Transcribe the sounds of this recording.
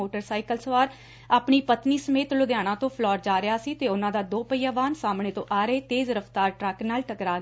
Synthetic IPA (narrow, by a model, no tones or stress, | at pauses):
oːʈəɾsaːikəlsəʋaːɾ | aːpniːpət̪niːsəmeːt̪lʊd̪jaːɽ̃ãːt̪õːpʰlɔːɾd͡ʒaːɾɪaːsiːt̪eːʊnãːd̪aːd̪oːpəiːaːʋaːnsaːmɳeːt̪õːʔaːɾeːt̪eːzɾəft̪aːɾʈɾɛknaːlʈəkɾaː